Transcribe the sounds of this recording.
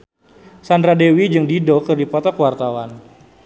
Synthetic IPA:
sandɾadewid͡ʒɨŋdidɔkɨrdipɔt̪akwart̪awan

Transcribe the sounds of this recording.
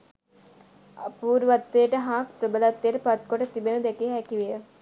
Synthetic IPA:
a̰puːɾuʋat̪ːeəʈəɦaːkpɾəbəlɐt̪ːeːʈəpat̪̚koʈət̪ibenud̪ækeɦækiʋijə

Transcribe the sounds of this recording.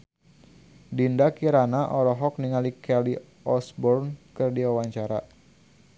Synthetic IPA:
dindakiɾanaʔɔɾɔɦɔk̚niŋalikɛli | ɔsbɔrnkɨrdiwawaɲt͡ʃaɾa

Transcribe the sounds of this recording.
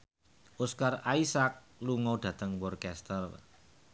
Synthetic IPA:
ʔuskaraisak̚ | luŋɔɖ̥ä̤t̪əŋwɔrkɛst̪ər

